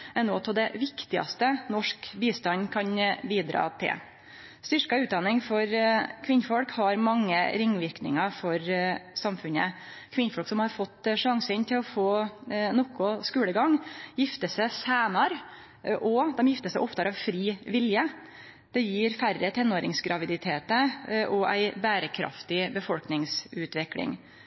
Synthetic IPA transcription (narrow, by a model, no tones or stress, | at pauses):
ɛnoːt̪ʰɔd̪ɛʋɪkt̪ɪɑ̰st̪ənɔʂkbiːst̪ɑnkʰɑnbiːd̪ɾɑ̰ːt̪ʰɪ̰l | st̪ʏʂkɑʉːt̪d̪ɑnɪŋfɔɾkʰʋɪnːfɔlkhɑɾmɑŋːəɾɪŋːʋɪɾknɪ̰ŋɑfɔɾsɑmfʉnə̰ | kʰʋɪnfɔɭksɔmhɑɾfɔt̪ːʂɑŋsənt̪ʰɪlɔfoːnɔkʊskʉːləɡɑŋjɪft̪əsæsæːnɑɾ | ʔɔd̪ɛmjɪft̪əsæɪʔɔpt̪ʰɑɾɑʋfɾiːʋɪljə | d̪̥ɛjiːɾfærːət̪ʰɛnːoːɾɪŋsɡɾɑʋɪd̪ɪt̪ʰeːt̪əʔɔʔæ̰ɪbæːɾəkʰɾɑ̰ft̪ɪbəfɔlknɪŋsʉːt̪ʋɛklɪ̰ŋ